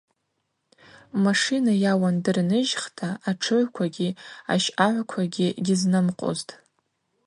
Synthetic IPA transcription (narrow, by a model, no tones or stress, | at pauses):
maʂinajawandɨrnɨʒχtʰaːʈ͡ʂʰɨʕʷkʷʰaɡʲia̰ʃaʕʷkʷʰaɡʲiɡʲɪznɨmqʼo̰ztʼ